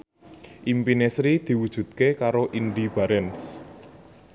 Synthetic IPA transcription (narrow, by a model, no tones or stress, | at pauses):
ʔimpinesɾid̪̥i̤wud̥ʒ̥ṳt̪̚kekaɾoʔiɳɖib̥a̤ɾɛns